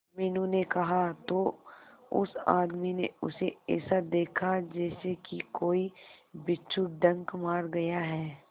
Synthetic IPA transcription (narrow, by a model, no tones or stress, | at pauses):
mɛːnũnekɐɦat̪oːʊ̰sa̰ːd̪minḛʊ̰seɛ̰ːsad̪eːkʰad͡ʒɛːsekikoːibɪtːt͡ʃʊk̚d̪ɐ̃ŋkmaːɾɡɐjaɦɛː